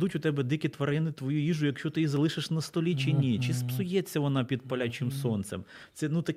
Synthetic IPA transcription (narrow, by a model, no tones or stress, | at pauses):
d̪utʲʊt̪ɛbɛd̪ɪkʲit̪ʋɐɾɪnɪt̪ʋɔjuiʒʊjɐkʃt͡ʃɔt̪ɪizɐlˠɪʃɪʃnɐst̪ɔlʲit͡ʃɪnʲit͡ʃɪspsʊjɛt͡sʲːɐʋɔnɑpʲid̪̚pɐlʲat͡ʃʲɪmsɔnt̪sɛ̰m | t̪sɛnut̪ɐk